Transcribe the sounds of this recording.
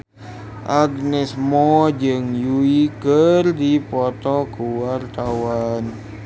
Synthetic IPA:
ʔaɡnɛsmɔd͡ʒɨŋjuikərdipɔt̪ɔkuwart̪awan

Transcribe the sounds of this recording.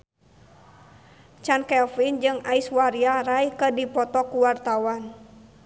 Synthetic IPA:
t͡ʃankɛlfind͡ʒɨŋaiswaɾiaɾaikədipɔt̪ɔkuwart̪awan

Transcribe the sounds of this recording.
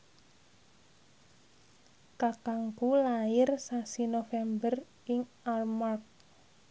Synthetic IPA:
kakaŋkulaɪrsasinofɛmbər | ɪŋ | almark̚

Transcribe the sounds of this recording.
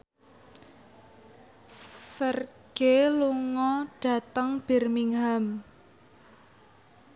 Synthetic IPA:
fərɡ̥eluŋɔɖ̥ä̤t̪əŋb̥i̤rmiŋɦam

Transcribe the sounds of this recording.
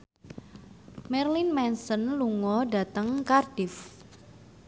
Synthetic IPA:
mɛrlinmɛnsɔnluŋɔɖa̤t̪əŋkard̥ɪf

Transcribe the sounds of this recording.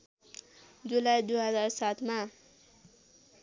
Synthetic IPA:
d͡zulajd̪uɦʌd͡zarsat̪ʰma

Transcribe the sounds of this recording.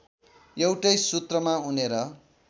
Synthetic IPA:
jewʈʌjsut̪rʌmauneɾʌ

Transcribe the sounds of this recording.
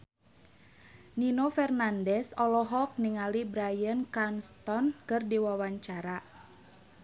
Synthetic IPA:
ninofɛrnandɛsɔlɔɦɔk̚niŋalibɾajənkɾanst̪ɔnkɨrdiwawaɲt͡ʃaɾa

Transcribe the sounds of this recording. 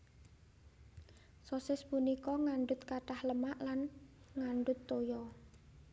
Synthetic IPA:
sosɪspunikɔŋaɳɖʊt̪kaɖahləmaʔlan | ŋaɳɖʊt̪ːojɔ

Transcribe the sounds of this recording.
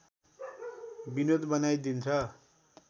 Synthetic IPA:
binod̪bʌnajd̪int͡sʰʌ

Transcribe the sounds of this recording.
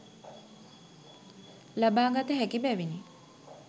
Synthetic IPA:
labaːŋɡat̪əɦækibæʋini

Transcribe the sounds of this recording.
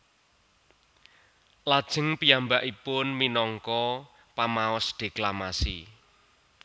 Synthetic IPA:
lad̥ʒ̥ə̤ŋpijambaʔipʊnminɔŋkɔ | pamaɔsd̥e̤klamasḭ

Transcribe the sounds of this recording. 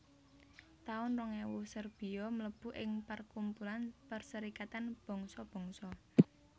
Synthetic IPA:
t̪aʊnrɔŋɛwusərb̥i̤jɔmələb̥ṳʔɪŋpərkumpulanpərsəɾikat̪anb̥ɔ̤ŋsɔb̥ɔ̤ŋsɔ

